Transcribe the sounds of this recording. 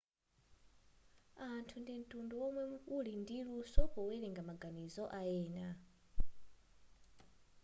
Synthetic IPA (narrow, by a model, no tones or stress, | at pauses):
antʰundin̩tʼundɔwɔmwɛuulindiɺusɔkɔwɛlɛŋɡamaɡanizɔʔaɛːna